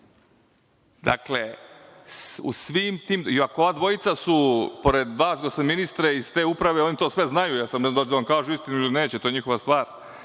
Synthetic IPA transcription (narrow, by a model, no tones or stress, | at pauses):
d̪a̰kle̞sṵsʋimt̪iːmiakoo̞ʋaːd̪ʋo̞it̪sasupoɾe̞d̪ʋaːsɡosaminist̪ɾeizt̪eːupɾaʋe̞o̞nit̪oːsʋeznajujasamnd̪at͡ɕd̪aʋamkaːʒuist̪inuiline̞ːt͡ɕet̪ojeɲixo̞ʋast̪ʋaːɾ